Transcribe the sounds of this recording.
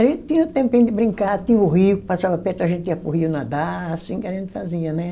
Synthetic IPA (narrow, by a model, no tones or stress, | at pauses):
aʒẽnt̪ɪt̪ĩɲ̃ɐʊt̪ẽmpẽj̃d̪ɪbɾĩŋkat̪ĩɲɐʊɦiʊkɪ̥pasavɐpɛɾt̪ʊɐʒẽnt̪ɪĩɐpʊɦiʊnad̪aasĩkɪaɐʒẽnt̪ɪ̥faziɐnɛ